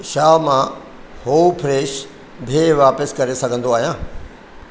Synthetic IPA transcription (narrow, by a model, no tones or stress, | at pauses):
ʃaːmã | hoːpʰɾeːʃ | bʱeʋaːpəskɐɾesɐɡʱə̃nd̪oaːɦijãː